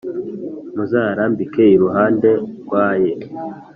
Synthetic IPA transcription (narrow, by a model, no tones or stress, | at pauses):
muzaːɾambikeiɾuɦaːnde̞ɾɡwaːje